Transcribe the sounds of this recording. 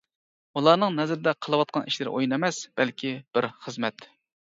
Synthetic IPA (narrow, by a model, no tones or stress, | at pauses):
ulˠɑɾnɨŋnɛzɾɪd̪ɛqʰəlˠəwɑt̪̚qɑnʔiʃlɪɾʔo̰jinemɛsb̥ɛlkʲʰib̥ɪɾχəzmɛt̪